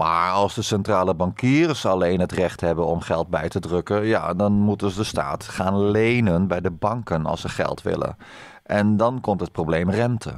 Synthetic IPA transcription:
ma̰ːɹɑlˠzdəsɛntraːləbɑŋkiːrəsɑlejnɦətrɛχtɦɛbənɔmχɛlˠt̚bɛjtədrɵkəja̰dɑnmutənzədəsta̰ːtχaːnlejnənbɛjdəbɑŋkənɑ̰lˠsəχɛ̰lˠtʋɪ̰lə̰ | ʔɛndɑnkɔmtɦət̚prowblejmrɛntʰə̰

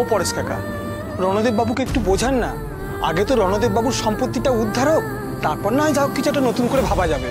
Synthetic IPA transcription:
opɔɾeskʰaka̰ | ɾɔnod̪ebbabukeek̚ʈubod͡ʑʱanːa | a̰ɡet̪oɾɔnod̪ebbabuɾʃɔmpɾot̪ːiʈaud̪ʱːaɾɦok | t̪aɾpɔɾnaɦɔjd̪ʱaɦokːit͡ɕʰuɛʈ̬anot̪unkoɾebʱabad͡ʑabe

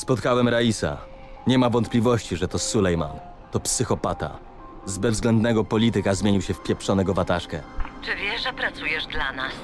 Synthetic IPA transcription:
spɔt̪kawɛmɾaisa̰ | ɲɛmavɔnt̪̚plʲivɔɕt͡ɕiʐɛt̪ɔsulɛjma̰n | t̪ɔpsɘxɔpat̪a̰ | zbɛvzɡlɛnd̪nɛɡɔpɔlʲit̪ɘkazmʲeɲiwɕɛfpʲjɛpʂɔnɛɡɔvat̪aʂkɛt͡ʂɘvʲjɛʐɛpɾat̪sujɛʐd̪lanas

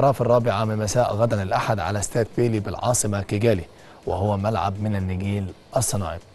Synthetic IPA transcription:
ɾˤɑːfɑrˤːɑːbɪʕamɪnmæsæːʔɣæd̪ænɪlʔaħad̪ʕa̰læst̪æːd̪̚beːlibɪlʕɑ̰ːsˤɨmakɪɡæːli | wɪ̰hʊwːæmælʕa̰bmɪnænːɪɡiːlʔɑsˤːɑnɑ̰ːʕḭb

